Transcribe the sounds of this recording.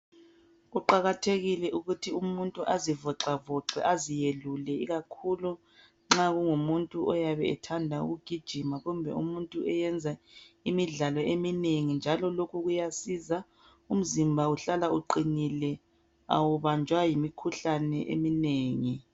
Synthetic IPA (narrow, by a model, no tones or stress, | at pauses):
uǃaɣatʰeɣilɛʔuɣutʰiumuntʼuʔazivɔǁavɔǁɛ̰ʔazijelulɛiɣakʰulu | ŋ͡ǁaɣuŋumuntʼuʔɔjaβɛɛtʰandʱaṵɣuɡ̥ʱid̥ʒ̥ʱimaɣumbʱɛ̰ṵmuntʼuɛjɛnd͡zʱaimiɮalɔʔemineŋind͡ʒʱalɔlokuɣujasiza | um̩zimbʱauɬalauǃinilɛ | a̰wuβand͡ʒʱwajimikʰuɬanɛʔḛmineːŋi